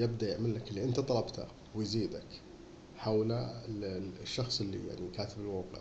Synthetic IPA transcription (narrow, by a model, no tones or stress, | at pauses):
jɪb̚d̪aʔjɪʕmalːaklːiʔɪnt̪at̪ˤɑlɑbt̪ʰa̰ | wɪjziːd̪ak | ħawla | ʃːɑxsˤɪlːḭja̰ʕnikaːt̪ɪbɪlwaːqɪ̰ʕ